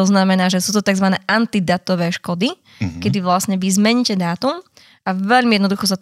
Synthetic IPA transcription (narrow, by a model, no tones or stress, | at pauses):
ɔznamɛnaːʒɛsuːt̪ɔt̪aɡzʋanɛːʔant̪id̪at̪ɔʋɛːʃkɔd̪i | kɛd̪iʋlasɲɛʋizmɛɲicɛd̪aːt̪um | aʋɛʎmijɛd̪nɔd̪uxɔsat